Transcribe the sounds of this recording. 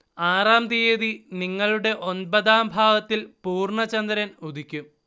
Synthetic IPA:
aːraːmd̪ijeðiniŋːɐɭuɽe̞ʔo̞nbɐðaːmbʱaːʋɐt̪ːilpuːrɳɐt͡ɕɐnd̪ɐɾɐnud̪ʱikʲːum

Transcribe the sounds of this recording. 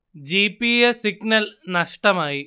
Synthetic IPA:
d͡ʑiːpiːjesiɡnɐlnɐʂʈɐmaːji

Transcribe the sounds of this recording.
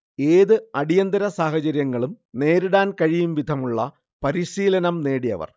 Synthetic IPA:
e̞ːðɨɐɽijɐnd̪ɐɾɐsaːhɐt͡ɕɐɾjɐŋːɐɭum | ne̞ːɾuɽaːnkɐɻijumʋid̪ʱɐmuɭːɐ | pɐɾiɕiːlɐnɐmne̞ːɽijɐ̰ʋɐ̰r

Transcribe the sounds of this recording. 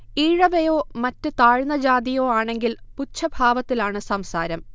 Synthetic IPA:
iːɻɐʋejo̞ːmɐtːɨt̪aːɻnɐd͡ʑaːd̪ijo̞ːaːɳe̞ŋɡilput͡ɕʰːɐbʱaːʋɐt̪ːilaːɳɨsɐmsaːɾɐm

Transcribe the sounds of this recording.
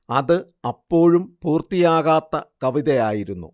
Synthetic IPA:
ɐðɨ | ɐpːo̞ːɻumpuːrt̪ijaːɣaːt̪ːɐkɐʋiðɐjaːjiɾunːṵ

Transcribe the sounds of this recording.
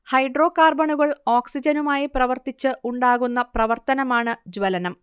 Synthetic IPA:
hɐjɖro̞ːkaːrbɐɳuɣɐɭoːksid͡ʑɐnumaːjiprɐʋɐrt̪it͡ɕːɨʔuɳɖaːɣunːɐprɐʋɐrt̪ɐnɐmaːɳɨd͡ʑʋɐlɐnɐm

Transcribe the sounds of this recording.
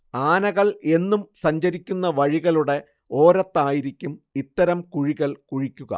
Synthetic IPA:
aːnɐɣɐɭe̞nːumsɐɲd͡ʑɐɾikʲːunːɐʋɐɻiɣɐluɽe̞ | o̞ːɾɐt̪ːaːjiɾikʲːumit̪ːɐɾɐmkuɻiɣɐɭkuɻikʲːuɣɐ̰

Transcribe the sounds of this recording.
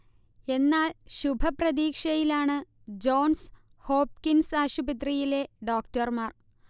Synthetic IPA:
e̞nːaːlɕubʱɐprɐd̪iːkʂɐjilaːɳɨ | d͡ʑo̞ːns | hoːp̚kinsaːɕubɐt̪̬rijile̞ɖo̞ːkʈɐrmaːr

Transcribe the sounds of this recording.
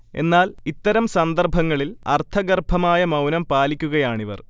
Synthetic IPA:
e̞̰nːaːlit̪ːɐɾɐmsɐnd̪ɐrbʱɐŋːɐɭilɐ̰rt̪ʰɐɡɐrbʱɐmaːjɐmɐwnɐmpaːlikʲːuɣɐjaːɳiʋɐ̰r

